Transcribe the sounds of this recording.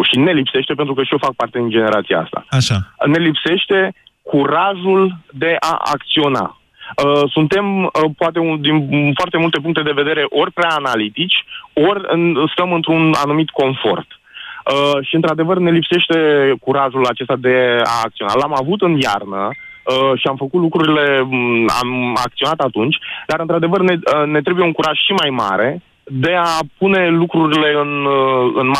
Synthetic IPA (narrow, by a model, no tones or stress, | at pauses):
ʃine̞lipse̞ʃt̪e̞p̬e̞nt̪ɾukəʃijofak̚part̪e̞d̪ind͡ʒe̞ne̞ɾat̪sia̰a̰st̪a̰aʃane̞lipse̞ʃt̪e̞ | kuɾaʒuld̪e̞ʔa̰a̰kt̪sio̞na̰ | əsunt̪e̞mpoat̪e̞ud̪infoart̪e̞mult̪e̞p̬uŋkt̪e̞d̪e̞ve̞d̪e̞ɾe̞ʔo̞rʲpɾeaːnalit̪it͡ʃʲo̞rʲɨst̪əmɨnt̪ɾuna̰numit̪ko̞nfo̞̰rt̪əʃiɨnt̪ɾad̪e̞vərne̞lipse̞ʃt̪e̞kuɾaʒulat͡ʃe̞st̪ad̪e̞a̰ːk̪̚sio̞na̰lamavut̪ɨnja̰rnə | əʃiamfəkut̪lukɾuɾile̞a̰ma̰k̚t̪io̞nat̪at̪unt͡ʃʲd̪aɾɨnt̪ɾad̪e̞vərnene̞t̪̬ɾe̞buje̞uŋkuɾaʒ̥ʃimajma̰ɾe̞ | d̪e̞apune̞lukɾuɾile̞ɨnɨnma